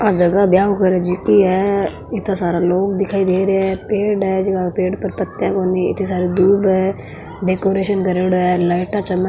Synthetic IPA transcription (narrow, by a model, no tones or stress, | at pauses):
ad͡ʒɐɡabjaːɦokəɾɛd͡ʒɪkiɦɛː | ɪt̪asaːɾaloːɡ̚d̪ɪkʰaːid̪eːɾeɛpeːɖɦɛd͡ʒɐɡapeːɖpəɾpɐt̪ːjãkoːniɪ̰t̪ʰnis̬aːɾid̪uːbɦɛ | ɖeːkoːɾeːʃənkəɾeːɽɦɛləːʈat͡ʃɐmə